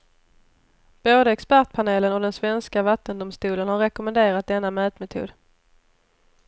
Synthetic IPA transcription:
b̥oːd̪əɛkspæʈ̚pʰaneːlənɔd̪ɛnsvɛnskavat̪ːənd̪ʊmst̪uːlənhaɾːɛkʊmənd̪eːɾat̪̚d̪ɛnːamœːt̪mɛt̪ʰṵːd̪

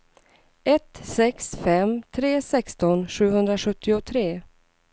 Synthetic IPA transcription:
ʔɛt̪sɛksfɛmt̪ʰɾeːsɛkst̪ɔnɧʉ̟ːɦɵnd̪ɾaɧɵt̪ʰːɪʊt̪ʰɾeː

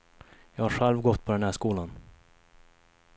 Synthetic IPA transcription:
jɑːɡhaɾɧɛlvɡɔt̪ːpʰɔd̪ɛnhæːʂkuːlan

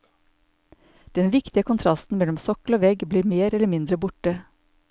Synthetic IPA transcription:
d̪̥ɛnʋɪkt̪ɪəkʰʊnt̪ʰɾɑst̪n̩mɛlɔmsɔkloːʋɛɡbliːɾmeːɾɛləmɪnd̪ɾəbʊʈə

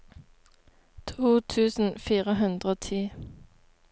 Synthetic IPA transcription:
t̪ʰuːt̪ʰʉːsn̩fiːʁəɦʉnd̪ʁəoːt̪ʰiː

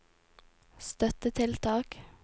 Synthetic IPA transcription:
st̪œt̪ət̪ʰɪlt̪ʰɑːk

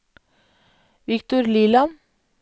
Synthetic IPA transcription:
ʋɪkt̪ʊɾliːlɑ

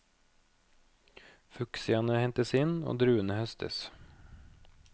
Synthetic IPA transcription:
fʉksɪɑnəhɛnt̪əsɪno̰ːd̪ɾʉːənəhœst̪ʰə̰s

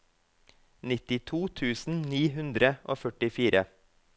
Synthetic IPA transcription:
nɪt̪ɪt̪ʰuːt̪ʰʉːsn̩niːɦʉnd̪ɾəʔoːfœʈɪfiːɾʔə

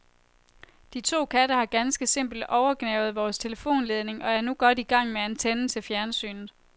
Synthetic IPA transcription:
d̥it͡sʰo̝̰ːkʰædəhɑ̈ɡ̥ænsɡ̥əse̝m̰b̥l̩d̥ʔɒʊɐɡ̥nɛʊð̞̩ˠʋɒːst͡sʰe̝ləfo̝̰ːnle̝ð̞ˠne̝ŋʔɒ̽æɐnuɡ̥ɒ̽d̥iɡ̥ɑ̈ŋ̰meent͡sʰen̩sʰəfjæɐnsy̰ːnð̩ˠ

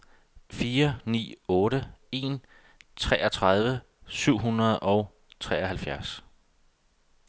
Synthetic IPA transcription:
fiːɐnḭːɔ̽ːɾəe̝n | t͡sʰʁɛːʔɐt͡sʰʁað̞ˠʋə | syʊ̰ɦunʁɐð̞ˠʔɒ̽ʊ | t͡sʰʁɛːɐɦælfjæɐs

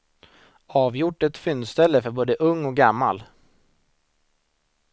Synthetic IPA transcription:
ɑːvjʊʈːɛt̪fʏnst̪ɛlːəfœɾboːd̪əʔɵŋːɔk̚ɡamːa̰l

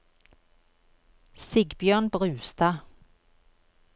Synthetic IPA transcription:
sɪɡbjœːʁnbʁʉːst̪ɑ

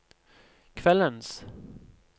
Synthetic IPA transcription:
kʰvɛlːəns

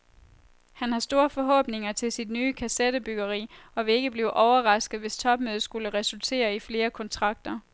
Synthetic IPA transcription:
hænhɑ̈sd̥o̝ːɐfɒ̽ɦɔ̰̽ːb̥ne̝ŋɐt͡sʰe̝lsid̥nyːkʰæsed̥əb̥yɡ̥ɐʁḭːɒ̽ʋe̝e̝ɡ̥əb̥liːʊʔɒʊɐʁɑ̈sɡ̥ð̩ˠʋe̝st͡sʰɒ̽b̥̚møðˠsɡ̥uləʁɛsult͡sʰe̝̰ːɐifle̝ːɐkʰɒ̽nt͡sʰʁɑ̈ɡ̥̚d̥ɐ

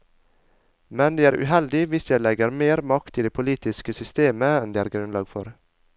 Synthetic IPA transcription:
mɛnd̪iːæːɾʔʉ̰ːɦɛld̪ɪʋɪsjæɪlɛɡəɾmeːɾmɑkt̪ɪd̪eːpʰʊliːt̪ɪskəsʏst̪eːməɛnd̪iːæːɾɡɾʉnlɑːɡfɔɾ

